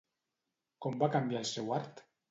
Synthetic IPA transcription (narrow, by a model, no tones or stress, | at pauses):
kombakambjaelˠsewaɾt̪